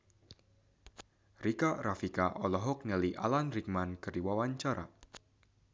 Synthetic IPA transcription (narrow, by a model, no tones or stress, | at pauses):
rikarafikaʔɔlɔɦɔk̚nɛliʔa̰lanrik̚mankɨrdiwawaɲt͡ʃaɾa̰